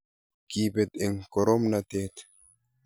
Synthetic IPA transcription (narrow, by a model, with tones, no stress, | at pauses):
ki˨be˨t̪i˨ŋko˨ɾo˦mnat̪e˦t̪